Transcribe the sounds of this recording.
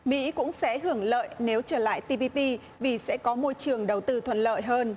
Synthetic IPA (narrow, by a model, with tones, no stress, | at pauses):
mḭ˧˥kʊ̰˧˥ŋ͡msɛ̰˧˥ɦɨ˧˩əŋlə̰ː˧˨jne˨˦wt͡ɕəː˧˩la̰ː˧˨jt̪i˧pi˧pi˧ | vi˨˩sɛ̰˧˥kɔ˨˦mo˧jt͡ɕɨ˨˩əŋɗə˨˩wt̪ɨ˧t̪ʰwə̰˧˨nlə̰ː˧˨jɦəː˧n